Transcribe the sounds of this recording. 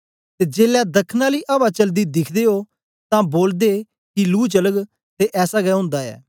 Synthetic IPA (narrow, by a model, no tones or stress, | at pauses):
t̪eːd͡ʒeːlɛd̪ɐkʰnaliːʔɐbat͡ʃɐld̪id̪ɪkʰd̪eːɦo | t̪ãːboːld̪eː | kiluːt͡ʃələɡ | t̪eʔɛːsaɡɛɦʊ̃ːnd̪aɛ̰ː